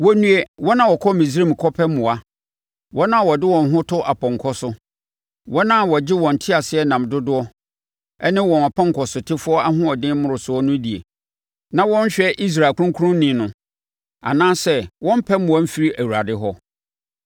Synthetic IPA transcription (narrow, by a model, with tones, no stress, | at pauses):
wɔ˦nũ˦e˦wɔ˦nã˨wɔ˨kʰɔ˦mĩ˨s̬ɾe˦˨m˨kʰɔ˦pʰɛ˦mːʊ̃˨a˨ | wɔ˦nã˦˨wɔ˨dɪ˦wɔ̃˨n˦ɦʊ̃˦tʰʊ˦ʔa˨pʰɔ̃˨ŋ˨kʰɔ˦sʊ˦ | wɔ˦nã˦˨wɔ˨d͡ʑɪ˦wɔ̃˨n̩˨tʰɪ˦a˨sɪ˦ɛ˦nã˨mdʊ˦dʊ˦ɔ˦ | ɛ˦nɪ̃˦wɔ̃˨na˨pʰã˦ŋ˨kʰɔ˨sʊ˨tʰɪ˦fʊ˦ɔ˦a˦ɦʊ̃˦ɔ˨dɪ̃˦mʊ̃˨ɾʊ˨sʊ˨˦ɔ˦nʊ̃˦di˨ḛ˨ | nã˨wɔ̃˦n˦ɕᶣɛ˦ʔi˦s̬ɾa˨kʰu˦ũ˦kʰu˦ʊ̃˦nɪ̃˨˦nʊ̃˨ | a̰˨nãː˦sɛ˦wɔ̃˦m̩˦pʰɛ˦mʊ̃˨a˦m̩˦fi˨˦ɾi˦ʔæ˨wu˨ɾa˨dɪ˦ɦɔ˦